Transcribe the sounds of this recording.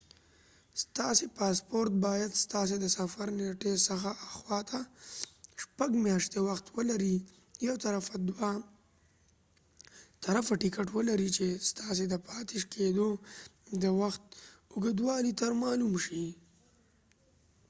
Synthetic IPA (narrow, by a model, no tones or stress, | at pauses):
st̪ɑsepɑspoɾt̪̚bɑjad̪st̪ɑːs̬ed̪əsafaɾneʈesəxaaxwɑt̪ʰa | ʃpaɡmjɑʃt̪ewaxt̪wəlaɾi | jawt̪aɾafad̪wa | t̪aɾafaʈikaʈwəlaɾit͡ʃest̪ɑsed̪əpʰɑt̪eʃkʰed̪od̪əwaxt̪̚ʊɡəd̪wɑːlit̪aɾmɑːlumʃi